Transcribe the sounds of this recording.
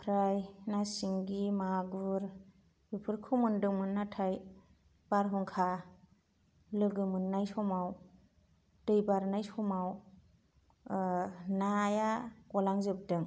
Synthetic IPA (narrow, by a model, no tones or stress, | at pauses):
pʰɾajnasiŋɡimaɡɯɾ | bipʰɯɾkʰɯmɯndɯŋmɯnːatʰaj | b̥aɾɦɔŋkʰa | lɯɡɯmɯnːajsɔmaw | d̥ɯjbaɾnajsɔmaw | najakɔlaŋzɯp̚dɯŋ